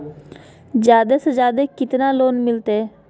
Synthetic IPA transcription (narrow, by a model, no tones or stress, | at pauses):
d͡ʒjaːd̪eːsed͡ʒjaːd̪eːkɪt̪naloːnmɪlt̪eː